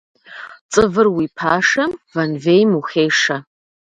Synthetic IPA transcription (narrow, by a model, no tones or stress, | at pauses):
t͡sʼɨvɨrwipʰaːʂɐmvɐnvejmuxeːʂɐ